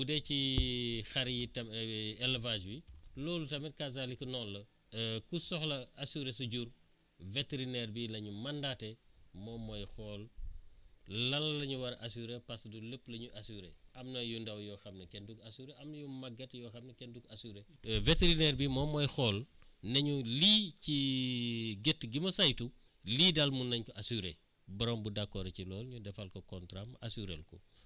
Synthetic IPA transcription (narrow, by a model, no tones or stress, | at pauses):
budɛcixɐɾjitɐmɛlvad͡ʒwilɔːlutɐmɛtkazalikɐnɔːlːɐ | kusɔxlɐɐsuɾesuɟur | veteɾinɛɾbilɐɲumɐndatɛmɔːmɔjxɔːl | ɐllɐɲuwɐɾʔɐsuɾepɐsduləpːlɐɲuʔɐsuːɾɛ̰ʔɐmnojundɐwjɔːxɐmnekɛndukɐsuɾeʔɐmjumɐɡɐtjɔːxɐmnekɛndukasuɾe | veteɾinɛɾbimɔmɔjxɔːl | nɐɲuliːci | ɡetːɡimɐsajtu | liːdalmunɐɲkɔʔasuɾe | bɐɾɔmbudakːɔɾecilɔːlɲudɛfɐlkɔkɔntɾamasuɾḛlkɔ̰